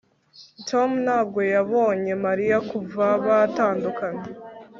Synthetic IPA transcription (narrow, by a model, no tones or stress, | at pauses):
tʰomnaːb̚ɡo̞jaβo̞ːɲe̞maɾijakuvaβataːndukaɲe